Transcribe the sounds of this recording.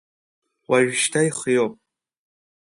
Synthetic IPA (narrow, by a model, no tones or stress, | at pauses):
waʒʃtʰajχjopʼ